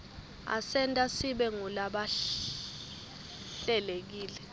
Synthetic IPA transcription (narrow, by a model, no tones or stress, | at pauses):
a̰sɛntʼasiɓɛŋulaɓa | ɬɛlek̬iːlɛ